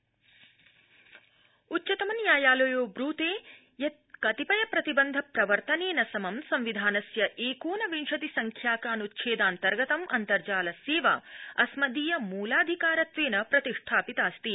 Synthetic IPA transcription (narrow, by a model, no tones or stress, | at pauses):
utːt͡ʃɐt̪ɐmɐnjaːjaːlɐjoːbɾuːt̪eː | jɐt̪ | kɐt̪ipɐjɐpɾɐt̪ibɐnd̪ʱɐpɾɐʋɐɾt̪ɐneːnɐsɐmɐmsɐmʋid̪ʱaːnɐsjɐʔeːkuːnɐʋinʂɐt̪isɐŋkʰjaːkaːnut̪ʃʰeːd̪aːnt̪ɐɾɡɐt̪ɐmʔɐ̰nt̪ɐɾd͡ʒaːlɐseːʋɐ̰ɐsmɐd̪iːjɐmuːlaːd̪ʱikaːɾɐt̪ʋeːnɐpɾɐt̪iʂʈʰaːpit̪aːst̪i